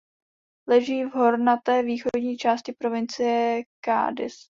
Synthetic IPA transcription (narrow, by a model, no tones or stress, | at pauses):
lɛʒiːvɦo̞ɾnat̪ɛːviːxodɲiːt͡ʃaːscɪpɾo̞vɪnt͡sɪjɛka̰ːdɪ̰s